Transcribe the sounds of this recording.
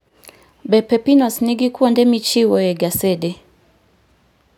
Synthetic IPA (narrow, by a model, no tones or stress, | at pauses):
bɛpɛpinɔsniɡikuɔndɛmit͡ʃiwɔjɛɡasɛdɛ